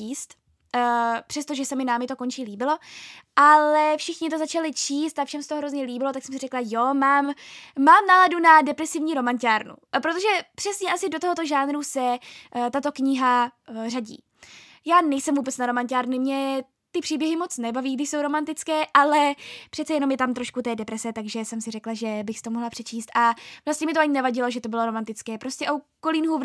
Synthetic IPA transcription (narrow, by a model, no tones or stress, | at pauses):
iːst̪ː | pr̥ɛst̪oʒɛsɛmɪnaːmɪt̪o̞ko̞nt͡ʃiːliːbɪlo̞ʔalɛfʃɪxɲɪt̪o̞zat͡ʃalɪt͡ʃiːst̪afʃɛmsɛ̥t̪oɦɾo̞zɲɛliːbɪlo̞t̪aksɛmsɪrɛklajo̞maːmːaːmnaːladunadɛpɾɛsɪvɲiːɾo̞mancaːɾnṵpɾot̪oʒɛpr̥ɛsɲɛʔasɪdo̞t̪oɦot̪oʒaːnɾusɛt̪at̪o̞kɲɪɦaraɟḭː | jaːnɛjsɛmvuːbɛt͡snaɾo̞mancaːɾnɪmɲɛ | t̪ɪpr̥iːbjɛɦɪmo̞t͡snɛbaviːɡdɪʃso̞wɾo̞mant̪ɪt͡skɛːʔalɛpr̥ɛt̪t͡sɛjɛno̞mjɛt̪amt̪ɾo̞ʃkut̪ɛːdɛpɾɛsɛt̪aɡʒɛsɛmsɪrɛklaʒɛbɪxst̪omoɦlapr̥ɛt͡ʃiːst̪ʔavlast̪ɲɛmɪt̪oʔaɲɪnɛvaɟɪlo̞ʒɛt̪o̞bɪlo̞ɾo̞mant̪ɪt͡skɛːpɾo̞stcɛʔokoliːnɦu